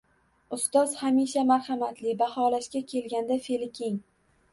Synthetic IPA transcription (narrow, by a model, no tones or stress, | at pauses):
ʊst̪ɒz̥hamiʃamaɾhamat̪lɪbahɒlaʃkʲakʲʰe̞lɡʲand̪afelɪkʲʰeŋ